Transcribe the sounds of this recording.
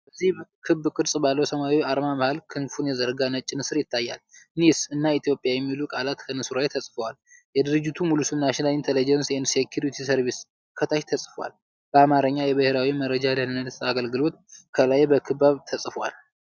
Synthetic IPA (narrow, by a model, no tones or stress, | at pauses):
b̥əzːihbkʰɨbːkʼɨɾsʼbalːəwsəmawiaɾmaməhalkʰɨnfunjɛzəɾɡanət͡ʃʼːɪnɨsɨɾjɪt̪ʰːajːa̰lnisɨnːait̪ʰjo̞pʼjajɛmːilukʼalat̪kʰənɨsuɾajt̪ʰəsʼfəwal | jɛd̪ɨɾɨd͡ʒːɪt̪ʰumulusɨmnaʃɪnalint̪ʰelid͡ʒɛnsjɛinsekʰjuɾut̪ʰisəɾβis | kʰət̪ʰaʃt̪ʰəsʼfwa̰l | b̥əamaɾəɲːajɛbəheɾawiməɾəd͡ʒalanɨnːət̪aɡəlɡɨlo̞t̪kʰəlajbəkʰɨbːaβt̪ʰəsʼfwa̰l